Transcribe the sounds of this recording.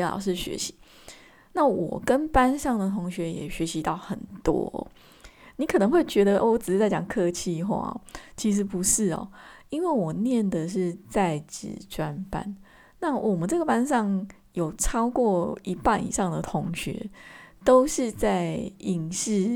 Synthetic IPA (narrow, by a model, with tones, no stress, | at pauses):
lɑ̰˨˩ʂ̬ɻ̩˥˩ɕɥɛ̰˧˥ɕi̥˨˦ | na˥˩wɔ̰˨˩kə˦npa˦nʂɑ˥˩ŋd̪ə˨t̪ʰo˧˥ŋɕɥɛ˧˥jɛ̰˨˩ɕɥɛ˧˥ɕi˧˥t̪ɑ˥˩ʊxə˨˩nt̪wɔ̰˦˥ɔ̰˨˩ | ni˨˦kʰɤ˨˩nə˧˦ŋxwe˥˩ɪt͡ɕɥɛ˧˥d̪ə˧ʔwɔ˧˦t͡sʈ͡ʂɻ̩˨˩˧t͡sa˥˩ɪt͡ɕɑ̰˨˩ŋkʰɤ˥˧t͡ɕʰi˥˧xwa̰˥˩˨t͡ɕʰi˧˥ʂ̬ɻ̩˧˥pu˧˦ʂɻ̩˥˩ɔ̰˨˩i˥nwe˥˩ɪwɔ˨˩njɛ˥˩nd̪ə˨ʂ̬ɻ̩˥˧t͡sa˥˩ɪʈ͡ʂɻ̩̰˨˩ʈ͡ʂwa˦˥npa̰˦n | na˥˩wʔɔ˨˩mə̃˨˦nʈ͡ʂɤ˥˩ɡə˩pa˦nʂɑ˥˩ŋ | jo˨˩ʊʈ͡ʂʰɑ˥ʊkwɔ˥˩i˧˥pa˥˨nḭ˨ʂɑ˥˩ŋd̪ə˨t̪ʰʊ˧˥ŋɕɥɛ̰˧˦t̪o˥ʊʂɻ̩˥˧t͡sa˥˩ɪi˨˩ŋɕ̩˥˧